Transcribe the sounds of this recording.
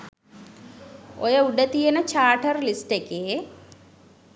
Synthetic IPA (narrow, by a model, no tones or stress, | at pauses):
ojəuɖət̪ijənət͡ʃaːʈərlisʈekeː